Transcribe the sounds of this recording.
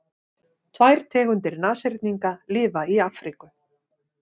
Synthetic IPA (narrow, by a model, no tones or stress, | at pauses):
t̪ʰvajɾ̥t̪ʰɛːɣʏnt̪ɪɾnaːseɾt̪̚niŋkalɪːvaiaːfɾikʏ